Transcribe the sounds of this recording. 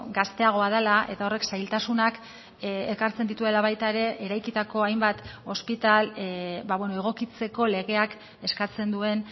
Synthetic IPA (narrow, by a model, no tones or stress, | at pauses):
ɡast̪e̞aɣ̞o̞að̞elaʔe̞t̪aore̞ksajlt̪asunak | ekaɾt͡send̪it̪ue̞laβ̞ajt̪aeɾe̞ʔeɾajkit̪ako̞ajmbat̪o̞spit̪albaβweno̞e̞ɣ̞o̞kit͡se̞ko̞le̞ɣe̞ak | e̞skat͡se̞nd̪ue̞n